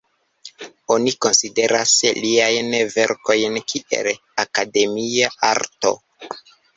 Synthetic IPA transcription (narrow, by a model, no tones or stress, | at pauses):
o̞niko̞nside̞ɾasliajnve̞ɾko̞jnkʰiʔe̞̰l | akade̞miaaɾto̞̰